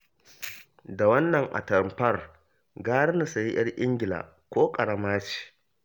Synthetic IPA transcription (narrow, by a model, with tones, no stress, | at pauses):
da˨wɐ˦nːɐ˨ŋʔa̰˨tɐ˨mpɐ˦r | ɡaː˦ɽna˨sa˨ji˦j̰ɐ˦rʔɪ˦ŋɡʲɪ˨la̰ː˨ | kʷoː˦kʼɐ˨ɽɐ˨maː˦t͡ʃi̥ː˨